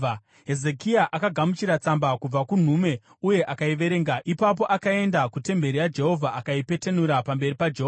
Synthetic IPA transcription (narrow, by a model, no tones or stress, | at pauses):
ɦe̞ze̞kiaʔakaɡʱamut͡ʃiɾat͡sambakub͡vakun̤ume̞ | uje̞ʔakaiʋe̞ɾe̞ːŋɡaipap̬o̞ʔakae̞ndakute̞mbe̞ɾijad͡ʒe̞ɦo̞vʱaakaipe̞te̞nuɾapambe̞ɾipad͡ʒeɦoa